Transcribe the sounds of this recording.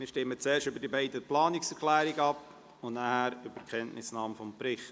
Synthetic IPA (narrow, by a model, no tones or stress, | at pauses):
mɪːɾʃtɪmət͡sɛːɾʃtʏbəɾdibaɪdəplɑːniksɛɾkʰlæːɾiɡɑp | ʊnnahæːɾʏb̥əɾkʰɛntnɪsnɑːmfɔmpɾɪχt